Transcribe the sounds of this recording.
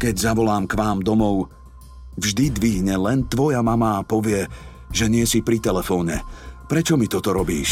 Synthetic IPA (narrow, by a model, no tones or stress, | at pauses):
kɛɟzaʋɔlaːmkʋaːmd̪ɔmɔʊ | vʒd̪id̪ʋiɦɲɛlɛnt̪ʋɔjamamaːpɔʋɪɛ | ʒɛɲɪɛsipɾit̪ɛlɛfɔːɲɛpɾɛt͡ʃɔmit̪ɔt̪ɔɾɔbḭːʃ